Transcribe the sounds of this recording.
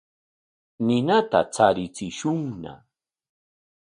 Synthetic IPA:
nɪnat̪a̰t͡saɾɪt͡sɪʃʊŋna̰

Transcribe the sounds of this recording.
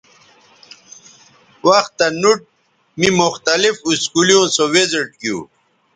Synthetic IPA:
wɐxt̪ːɐnuʈ̚ | mimuxt̪ɐlifuskulijõːsoweziʈ̚kjṵː

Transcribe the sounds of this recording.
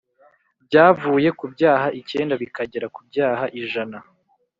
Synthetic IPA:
b̚ɟaːvuːje̞kubɟaːhaʔice̞ːndaβikaɟeɾakubjaːɦaʔiʒana

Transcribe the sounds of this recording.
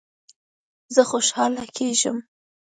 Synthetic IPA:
zəxoʃhɑlakʰeʒə̰m

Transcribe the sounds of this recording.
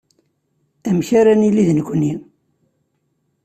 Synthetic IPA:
æmçaɾanilːiðnəkʷːənːi

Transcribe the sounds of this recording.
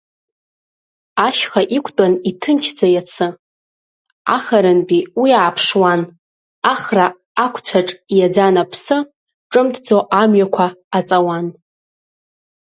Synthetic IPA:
aʃχaʔikʷʰʼtʼanitʰɨnt͡ʃʰd͡zajat͡sʰɨ | a̰χaɾɨnpʼiwiaːpʰʂwan | aχra | akʷʰt͡sʷʰaʈ͡ʂʼjad͡zanapʰsɨ | ʈ͡ʂʼɨmtʰd͡zoʔamɥakʷʰaːt͡sʼawan

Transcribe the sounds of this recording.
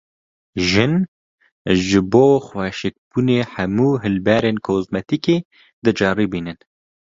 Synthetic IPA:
ʒɨn | ʒɨboːxwɛːʃɪk̚b̥uneːħɛmuːɦɨlbɛɾeːnkʰoːzmɛt̪ikeː | d̪ɨd͡ʒɑːɾiːbiːnɨn

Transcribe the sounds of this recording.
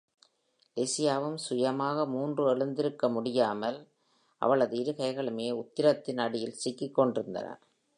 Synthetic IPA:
lesɪjaːʋɯmsʊjɐmaːɣɐmuːndrɯɛɭɯnd̪ɪɾɯkːɐmʊɽɪjaːmɐl | ʔɐ̰ʋɐɭɐðɯɪɾɯɣɐɪɣɐɭɯmeːʊt̪ːɪɾɐt̪ːɪnɐɽɪjɪlsɪkːɪkːɔɳɖɪɾɯnd̪ɐ̰nɐ̰

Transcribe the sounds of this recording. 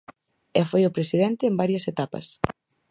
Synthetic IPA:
efojʊpɾesiðent̪eːmbaɾjɐset̪apɐ̰s

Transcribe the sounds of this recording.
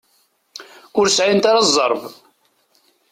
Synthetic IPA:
ʊɾsʕint̪aɾɑzˤːəɾˤv

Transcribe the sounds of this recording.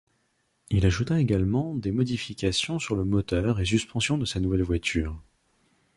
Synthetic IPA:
ilaʒut̪aeɡalmɑ̃d̪emɔd̪ifikʲasjɔ̃syʁləmɔt̪œʁes̬yspɑ̃sjɔ̃d̪əsanuvɛlvwat̪ʰyːʁ

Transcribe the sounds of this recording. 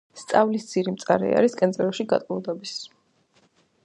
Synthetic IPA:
st̪sʼavlisd̪z̥ʰiɾimt̪sʼa̰ɾɛ̰a̰ɾiskʼɛnzʼɛɾɔʃiɡa̰t̪ʼulˠd̪ɔbis

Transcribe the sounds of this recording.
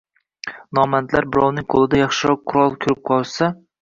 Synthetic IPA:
nɒmant̪laɾbɪɾɒwnɪŋqʰolˠɪd̪ajɑχʃɪɾɒq̚qʰːʊɾɒlˠkʲʰʊɾɪp̚qʰɒlˠsa

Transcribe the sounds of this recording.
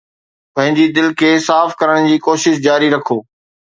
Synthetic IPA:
pɐ̃ɦɪ̃ɲd͡ʑid̪ɪlkʰeːsaːfkɐɾəɽ̃d͡ʑiːkoːʃɪʃ̬d͡ʑaːɾiɾɐkʰoː

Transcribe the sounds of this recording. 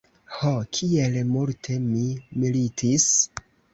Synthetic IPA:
hokʰielmultʰe̞mimilitʰis

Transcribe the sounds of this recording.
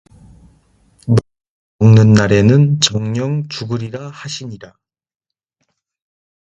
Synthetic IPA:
mʌ | ʌŋnɯnːaɾe̞nɯnt͡ɕʌŋɲʌŋt͡ɕuɡɯɾiɾahaɕʰiɲiɾa

